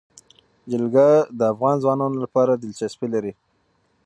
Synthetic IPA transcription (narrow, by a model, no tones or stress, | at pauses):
d͡ʒɪlɡad̪əafɣɑnzwɑnɑnolapɑɾad̪ɪlt͡ʃaspilaɾi